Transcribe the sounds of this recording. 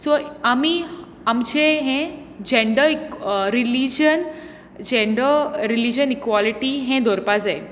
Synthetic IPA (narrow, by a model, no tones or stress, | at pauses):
soami | amd͡ʑeɦẽ | d͡ʑeɳɖəiɾilid͡ʑən | d͡ʑeɳɖəɾilid͡ʑənikwaliʈiɦẽd̪ʱɔɾpad͡zae